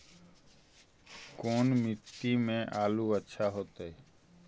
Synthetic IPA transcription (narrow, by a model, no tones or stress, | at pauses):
koːnmɪt̪ːiːmẽːʔaːluːətːʃʰaːɦoːt̪ee